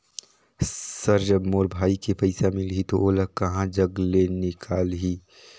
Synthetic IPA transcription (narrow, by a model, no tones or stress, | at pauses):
sɐɾd͡ʒɐbmoːɾbʱaːikepɐɪsamɪlɦit̪oʔoːlɐɦkɐɦãd͡ʒɐɡlenɪkʰaːlɦiː